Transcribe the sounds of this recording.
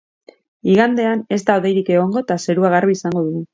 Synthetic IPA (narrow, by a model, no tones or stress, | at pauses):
iɣand̪e̞ane̞zt̪aoðe̞jɾike̞ɣ̞o̞ŋɡo̞t̪ase̞ɾuaɣ̞arβiːsaŋɡo̞ðuɣu